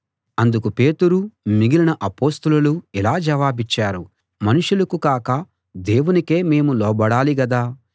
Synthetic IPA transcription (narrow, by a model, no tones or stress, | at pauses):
ɐnd̪ukupe̞ːt̪uɾumiɡilɐnɐʔɐpoːst̪ɐlɐluilaːd͡ʒɐʋaːbit͡ʃːaːɾu | mɐnuʂulɐkukaːkɐ | d̪e̞ːwunike̞ːme̞ːmulɔːbɐɽaːliɡɐd̪aː